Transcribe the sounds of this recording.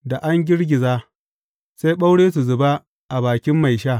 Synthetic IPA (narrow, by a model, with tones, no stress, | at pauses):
da˨ʔa˦ŋɡʲɪ˦ɽɡʲɪ˨zaː˦ | sa˦jɓa˦wɽeː˦s̬u˨zʊ˨ba˦ | ʔa˨baː˨kʲɪ˦mːa˨jʃaː˦˨